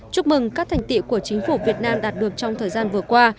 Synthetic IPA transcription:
t͡ɕʊ˦˥k͡p̚mɨ˨˩ŋkaː˦˥t̪ʰŋ̟t̪ḭ˧˨ku˧˩ət͡ɕï˨˦ŋ̟fu˧˩vi˨˩ət̚naː˧mɗaː˨˩t̚ɗɨ˨˩ək̚t͡ɕɔ˧wŋ͡mt̪ʰəː˨˩jzaː˧nvɨ˨˩əkwaː˧

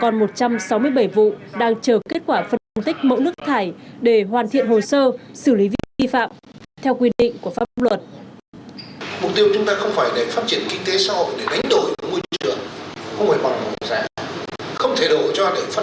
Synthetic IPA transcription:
kɔ˨˩nmo˨˩t̚t͡ɕa˧msa˨˦wmɨ˧əjɓə˧˩jvṵ˧˨ɗaː˧ŋt͡ɕəː˨˩ke˦˥t̚kwaː˧˩fə˧nə˧nt̪ï˦˥k̟̚mə̰˧˥wnɨ˦˥ək̚t̪ʰaː˧˩jɗe˧˩ɦwaː˨˩nt̪ʰḭ˧˨ənho˨˩səː˧sɨ˧˩li˨˦vi˧vi˧fa̰ː˧˨mt̪ʰɛ˧wkwi˧ɗḭ̈˧˨ŋ̟ku˧˩əfaː˦˥p̚lwə˨˩t̚ | m˨˩k͡p̚t̪i˧əwt͡ɕʊ˨˦ŋ͡mt̪aː˧xə˧wŋ͡mfaː˧˩jɗe˧˩faː˦˥t̚t͡ɕi˧˩ənkï˧ŋ̟t̪e˨˦saː˨˦ho̰˧˨jɗe˧˩ɗa˨˦jŋ̟ɗo˧˩jmu˧jt͡ɕɨ̰˧˨əŋxə˧wŋ͡mvaː˧˩jmɔ˨˩t̚mo˨˩˨zaː˧˩ | xə˧wŋ͡mt̪ʰe˧˩ɗo˧˩t͡ɕɔ˧ɗe˧˩faː˦˥

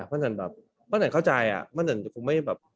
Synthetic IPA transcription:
mʰɔ˥˩na˧˩nbɛ̰ː˨˩p̚ː | ɔː˥˩na˨˧˩ŋkʰːt͡ɕa˧jʔa̰˨˩ma˥˩na˧˩n˨˩kʰu˧ŋma˥˩jbɛː˨˩p̚

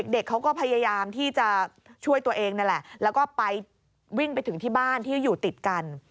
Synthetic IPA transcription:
e˨˩k̚de˨˩kʰːa˦˥wkɔː˥˩pʰa˧ja˧jaː˧mt̪ʰiː˥˩t͡ɕa˨˩ | t͡ɕʰu˥˩əjt̪u˧ɐʔeː˧ŋna˥˩lɛ˨˩ʔlɛː˦˥wkɔː˥˩pa˧j | wi˥˩ŋpa˧jt̪ʰɯ˩˦ŋt̪ʰiː˥˩baː˥˩nt̪ʰiː˥˩juː˨˩t̪i˨˩t̪̚ka˧n

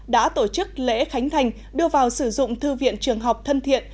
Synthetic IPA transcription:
ɗa̰ː˧˥t̪o˧˩t͡ɕɨ˦˥k̚lḛ˧˥xa˨˦jŋ̟t̪ʰa˨˩jŋ̟ | ɗɨ˧əvaː˨˩wsɨ˧˩zʊ̰˧˨ŋ͡mt̪ɨ˧vḭ˧˨ənt͡ɕɨ˨˩əŋɦa˨˩wk͡p̚t̪ʰə˧nt̪ʰḭ˧˨ən

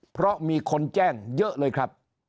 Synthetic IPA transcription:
pʰɾɔ˦˥miː˧kʰo˧nt͡ɕɛː˥˩ŋjɤ˦˥ʔlɤː˧jkʰɾa˦˥p̚

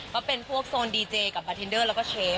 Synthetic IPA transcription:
kaː˥˩pe˧npʰu˥˩ək̚soː˧ndiː˧t͡ɕeː˧ka˨˩p̚ːaː˧t̪ʰe˧ndɤː˥˩lɛ˦˥wkɔː˥˩t͡ɕʰeː˦˥

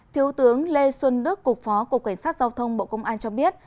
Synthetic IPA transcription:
t̪ʰi˨˦əwt̪ɨ˨˦əŋle˧swə˧nɗɨ˦˥kːʊ˨˩k͡p̚fɔ˨˦ku˨˩kːa˧˩ŋ̟saː˦˥t̚zaː˧wt̪ʰə˧wŋ͡mɓo̰˧˨kə˧wŋ͡mʔaː˧nt͡ɕɔ˧ɓi˦˥ət̚

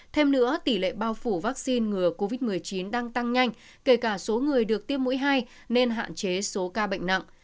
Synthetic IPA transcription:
t̪ʰe˧mnɨ̰˧˥ət̪i˧˩lḛ˧˨ɓaː˧wfu˧˩vaː˦˥k̚si˧nŋɨ˨˩əko˧vi˦˥t̚mɨ˨˩əjt͡ɕi˨˦nɗaː˧ŋt̪a˧ŋɲa˧jŋ̟ | ke˧˩kaː˧˩so˨˦ŋɨ˨˩əjɗɨ˨˩ək̚t̪i˦˥əp̚mṵ˧˥jɦaː˧j | ne˧nɦa̰ː˧˨nt͡ɕe˨˦so˨˦kaː˧ɓə̰˧˨jŋ̟na̰˧˨ʔ

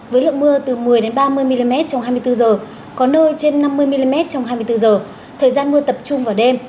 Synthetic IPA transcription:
vəː˨˦jlə̰˧˨ŋmɨ˧ət̪ɨ˨˩mɨ˨˩əjɗe˨˦nɓaː˧mɨ˧əjmi˧li˧mɛ˦˥t̚t͡ɕɔ˧wŋ͡mɦaː˧jmɨ˧əjt̪ɨ˧zəː˨˩ | kɔ˨˦nəː˧jt͡ɕe˧nːa˧mːɨ˧əjmi˧li˧mɛ˦˥t̚t͡ɕɔ˧wŋ͡mɦaː˧jmɨ˧jt̪ɨ˧zəː˨˩ | t̪ʰəː˨˩jzaː˧nmɨ˧ət̪ə˨˩p̚t͡ɕʊ˧ŋ͡mvaː˨˩ɗe˧m

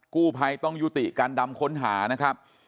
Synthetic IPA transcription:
kuː˥˩pʰa˧jt̪ɔ˥˩ŋju˦˥t̪i˨˩kaː˧nda˧mkʰo˦˥nɦaː˩˦na˦˥kʰɾa˦˥p̚

